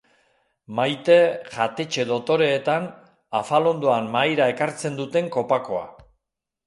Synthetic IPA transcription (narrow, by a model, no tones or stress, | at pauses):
majt̪e̞ɣat̪e̞t͡ʃe̞ðo̞t̪o̞ɾe̞ːt̪an | afalo̞nd̪oammajɾae̞kaɾt͡se̞nd̪ut̪e̞ŋko̞pako̞a̰